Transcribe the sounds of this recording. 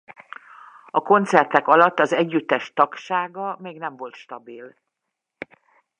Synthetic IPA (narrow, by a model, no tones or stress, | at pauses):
ɒko̞nt̪sɛrt̪ɛkɒlɒt̪ːɒzɛɟːyt̪ːɛʃt̪ɒkʃaːɡɒmeːɡnɛɱvo̞lt̪ʃt̪ɒbil